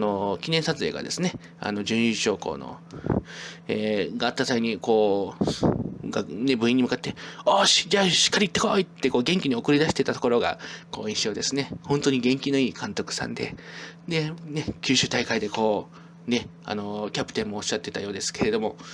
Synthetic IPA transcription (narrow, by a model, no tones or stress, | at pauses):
no̞kʲineɰ̃sat͡sɨe̞̰ːɡa̰d̪e̞sɨne̞ | a̰no̞d͡ʑɨ̃ɰ̃iɕo̞ːko̞̰ːno̞̰ | eːɡaːt̪ːasaiɲ̟iko̞ː | ɡane̞bɯ̟ĩɲ̟ːimɯ̟kat̪ːe̞oɕi̥d͡ʑaːɕi̥kːaɾʲit̪ːekoːit̪ːe̞koːɡẽ̞ŋkʲiɲ̟io̞kɯ̟ɾʲid̪aɕi̥t̪e̞t̪at̪o̞ko̞ɾo̞ɡa̰ko̞ːĩɕo̞ːd̪e̞sɨnehõ̞nt̪oɲ̟iɡẽ̞ŋkʲino̞iːkʰãnt̪o̞kɯ̟̥sã̰nd̪e̞̰d̪e̞ne̞kʲɨːɕɨːt̪aikaid̪e̞ko̞ː | ne̞ | a̰no̞kʲapɯ̟t̪ẽ̞mːo̞ːɕːat̪ːe̞t̪ajo̞ːd̪e̞sɨ̥ke̞ɾe̞d̪o̞mo̞